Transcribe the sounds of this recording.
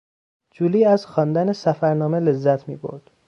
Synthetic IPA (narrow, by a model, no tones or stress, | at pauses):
d͡ʒuːliːæzxɒːnd̪ænesæfæɾnɒːmele̞zːæt̪ʰmḭːbo̰ɾd̪̥